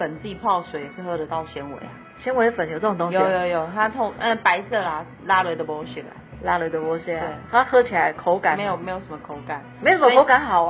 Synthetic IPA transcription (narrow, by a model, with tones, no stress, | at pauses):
fə˨˩nt͡si˥˩i˨pʰɑ˥˩ʊswe˨˦˨ʂɻ̩˥˧xɤ˥˧d̪ə˨˦t̪ɑ˥˨˩ʊɕjɛ˧˥nwḛ˧˦ɪ˨ | ɕjɛ˧˥nwe˧˥ɪfə˨˩njo˨˩t͡sɤ˥˩˨ŋt̪o˥˧jo˨˩˦jo˧˦ʊjo˨˩ʊt̪ʰa˥t̪ʰʊ˧ŋə˧˩pa˧˥ɪsɤ˥˩la˨˩ | la˦˥lwe˧˥d̪ə˨pwɔ˧˥ɕi˥˩ə̰˨˩ | la˥lwe˧ɪd̪ə˨pwɔ˧˥ɕɛ˥˩˨t̪ʰa˥xɤ˧˥t͡ɕʰi˨˩la˧˦ɪkʰo˧˦ʊka˨˦me˧˦jo˨me˧˥jo˨˩ʊʂə˧˦mə˦kʰo˧˦ʊka˨˩˦nme˧˥o˨ʂə˦m˥˧˦kʰo˧˥ʊka˧˥˦nxɑ˨˩˦ʊ